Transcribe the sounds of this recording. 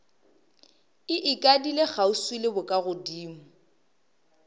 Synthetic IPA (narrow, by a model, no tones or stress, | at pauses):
ɪʔɪkʼadileɣauswilebʊkʼaɣʊdiːm̩